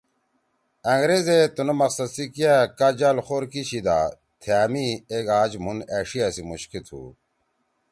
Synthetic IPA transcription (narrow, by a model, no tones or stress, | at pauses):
ɐŋɡɾezet̪unɐmɐqsɐd̪sikijakad͡ʑalxoːɾkiɕid̪a̰ː | t̪ʰijaːmieɡaːd͡ʑmuneːʂijasimuɕkit̪ʰṵ